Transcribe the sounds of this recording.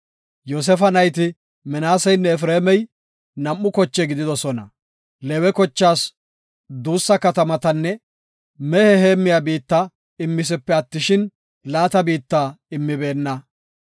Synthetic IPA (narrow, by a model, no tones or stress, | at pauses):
joːs̬ɛfɐnɐjt̪ɪ | mɛnaːsɛjnːɛɛfɾeːmɛj | nɐmːʊkɔt͡ʃːɛɡɪd̪ɪd̪ɔsɔnɐ | lɛwɛkɔt͡ʃːaːs | d̪uːsːɐkɐt̪ɐmɐt̪ɐnːɛ | mɛhɛɦeːmːɪjabiːt̪ːa | ɪmːɪs̬ɛpːɛɐt̪ːɪʃɪn | laːt̪ɐbiːt̪ːaːɪmːɪbe̞ːnːɐ